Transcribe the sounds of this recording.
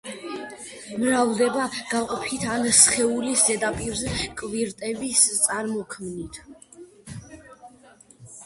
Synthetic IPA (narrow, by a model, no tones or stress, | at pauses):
mɾavd̪ɛbaɡ̥aqʼɔpʰit̪ʰansχɛuliszɛd̪apʼiɾzɛkʼviɾt̪ʼɛbist̪sʼaɾmɔkʰmnit̪ʰ